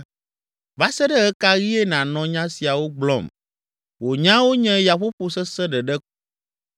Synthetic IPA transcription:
va˦sɛ˦ɖɛ˦ɣɛ˦ka˦ɣi˦ɛ˦nã˨nɔ̃˨ɲã˦si˨a˨wo˦ɡ͡blɔ̰˦˨m | wo˨ɲã˦wo˦ɲɛ̃˦ja˨ɸo˦ɸo˨sɛ˦sɛ˦ɖɛ˨ɖɛ˦ku̥˦

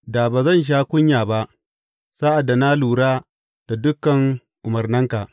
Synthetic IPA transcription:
daː˨baː˨zɐ˦˨nʃ̬aː˦kʷʊ˦ɲjaː˨ba˦ʔ | saː˦ʔa˨dːa˨na˦luː˨ɽaː˦ | d̥a˨dʊ˦kːɐ˨ŋ | ʔʊ˨mɐ˨rnɐ˦ŋka˨ʔ

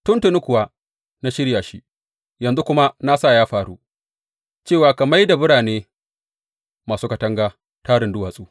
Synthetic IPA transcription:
tʊ˦ntʊ˨nʊ˦kʷʊ˨waː˦ | na˦ʃɪ˦ɽjaː˨ʃi˦ʔ | jɐ˨nzu˦kʷʊ˦ma˦na˦sa˦˨jaː˦ɸaː˨ɽu˦ | t͡ʃeː˦˨waː˨kɐ˨ma˦jda˨bʊ˦ɽaː˨neː˦ | maː˨suː˦ka˨tɐ˦ŋɡaː˦ | taː˦ɾɪ˨ndʊ˦waː˨sʼuː˦

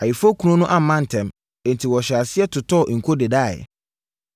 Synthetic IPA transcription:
a˨ji˨fo˦kʰu˨˦ɾũ˦nʊ̃˦ʔa˦mã˦n̩˨tʰɛ̃˨m | ɛ̃˨n̩˨tʰi˨wɔ˨ɕa˨sɪ˦ɛ˦tʰʊ˨tʰɔ˦˨ʔŋ̩˨kʰo˦de˨daː˦˨ɛ̰˨

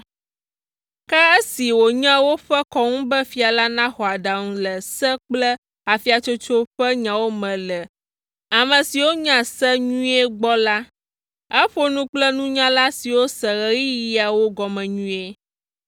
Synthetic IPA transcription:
kɛ˦e˦si˨wo˨ɲã˦wo˦ɸɛ˦kɔ˦ŋũ˦bɛ˦fi˨˦a˨la˦nã˦xɔ˨a˨ɖa˨ŋũ˦lɛ˨sɛ˦k͡plɛ˦ | a˨fi˦a˨t͡ʃo˦t͡ʃo˦ɸɛ˦ɲã˨wo˦mɛ̃˨lɛ˨ | a˨mɛ̃˨si˨wo˦ɲã˦sɛ˦ɲũ˦ɛ˦ɡ͡bɔ˦la˦ | ɛ˦ɸo˦nũ˦k͡plɛ˦nũ˦ɲã˦la˦si˨wo˦sɛ˨ɣɛ˦ɣi˦ji˨a˨wo˦ɡɔ˨mɛ̃˨ɲũ˦e˦

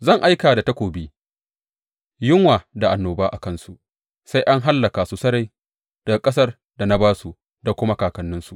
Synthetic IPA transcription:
zɐ˦˨ŋʔa˦jkaː˨da˨tɐ˦kʷoː˨biː˦ | jɪ˦ŋwaː˨da˨ʔa˨nːoː˨baː˦ʔa˨kɐ˦nsu˨ʔ | sa˦jʔa˦ŋɦa˦lːɐ˨kaː˨su˨sɐ˦ɾa˦˨j | d̥ɐ˨ɡa˨kʼɐ˦sɐ˦r | da˨na˦baː˦su˨ | da˨kʷʊ˦ma˦kaː˨kɐ˦nːɪ˦nsu˨ʔ

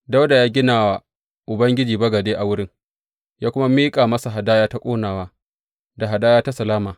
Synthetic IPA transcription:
da˦wda˨jaː˦ɡʲɪ˦naː˨wa˨ | ʔʊ˨bɐ˦ŋɡʲɪ˦d͡ʒiː˨bɐ˦ɡɐ˨deː˦ʔa˨wʊ˦ɽɪ˦ŋ | jaː˦kʷʊ˦ma˦miː˦kʼaː˨mɐ˦sa˨ɦa˨daː˦jaː˦ta˦kʷʼoː˦naː˨waː˦ | da˨ɦa˨daː˦jaː˦ta˦sɐ˨laː˦maː˨

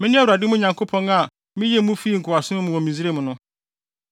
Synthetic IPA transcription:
mɪ̃˦nɪ̃˦a˦wa˨dɪ˦mʊ̃˦ɲã˨ŋkʰo˦pʰɔ̃˦na˨ | mɪ̃˦jɛ˦mʊ̃˦fi˦ŋ̩˨kʰʊ˨a˨sʊ˦nʊ̃˦mʊ̃˨wɔ˨mĩ˨zi˦ɾe˦mʊ̃˨nʊ̃˦

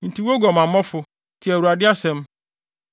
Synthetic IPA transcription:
n̩˨ti˨wo˦ɡɔ˨mã˨mː˦ɔ̃˦fʊ˨˦ | tʰɪ˨æ˨wu˨a˨dɪ˦a˦sɛ̃˦m

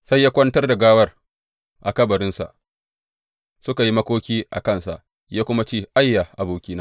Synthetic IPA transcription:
sa˦jːaː˦kʷɐ˦ntɐ˦rda˨ɡaː˦wɐ˦r | ʔa˨kɐ˦bɐ˨ɾɪ˦nsa̰˨ʔ | sʊ˦ka˨ji˦mɐ˦kʷoː˦kʲiː˦ʔa̰˨kɐ˦˨nsa̰˨ʔ | jaː˦kʷʊ˦ma˦t͡ʃeː˦˨ʔa˦jːa˨ʔa˨boː˨kʲiː˦naː˦

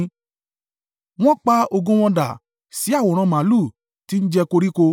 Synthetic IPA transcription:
w̃ɔ̃˦k͡pa˦o˧ɡõ˦w̃ɔ̃˧da̰˨ | si˨˦a˦˨wo˨ɾ̃ã˧mã˨˦lu˦˨ | ti˨˦n̩˦d͡ʒɛ˧ko˧ɾi˦ko˧

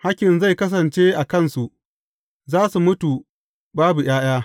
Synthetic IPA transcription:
ha˦kʲɪ˨nza˦˨jkɐ˦s̬ɐ˨nt͡ʃeː˦ʔa˨kɐ˦nsu˨ʔ | zaː˦su˨mʊ˦tu˨ | baː˦bu˨j̰aː˦j̰aː˦

